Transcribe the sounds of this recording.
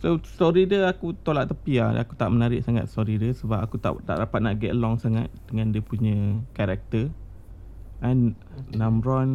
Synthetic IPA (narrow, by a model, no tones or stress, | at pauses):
sosɔɾidəakut̪olaʔ̚t̪əpiaa̰kut̪aʔmənaɾɪʔ̚saŋa̰t̪̚sɔɾidəsəbapakut̪a̰ʔt̪a̰ʔdapat̪̚naʔɡɛt̪lɔŋsaŋat̪̚dəŋãndəpuɲə̃kaɾɛk̚t̪ə | ʔãnː | ãmɾɔn